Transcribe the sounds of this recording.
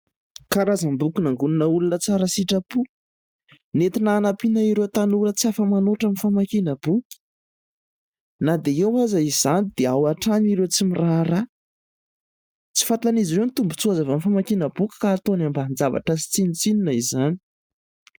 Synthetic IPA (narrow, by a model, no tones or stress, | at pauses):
kaɾazambukunaŋɡuninəulunət͡saɾəsiʈ͡ʂapu | net̪inaːnapinaiɾet̪anuɾət͡siafəmanoʈ͡ʂamifamakinəb̥ukʲi̥ | nad̪eewazaizanid̪̥eawaʈ͡ʂaniɾet͡simiraɾa | t͡si̥fat̪aniziɾewnit̪umbut͡suazavamifamakinəbukʲi̥kaːt̪onamband͡zava̰ʈ͡ʂasi̥t͡sinit͡sininəizani̥